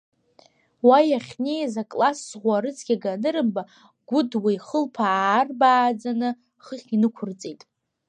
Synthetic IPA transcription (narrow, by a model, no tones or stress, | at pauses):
wajaχʲnejzakʼlasːʁʷaɾɨt͡sʰɡʲaɡanɨɾɨmba | ɡ̥ʷʊdwijχəlpʰaːrbaːd͡zanɨ | χəχʲinɨkʷʰʊrt͡sʼitʼ